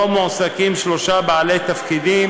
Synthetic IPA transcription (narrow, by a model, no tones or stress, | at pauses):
omosakimʃloʃabaʕalet̪afkid̪im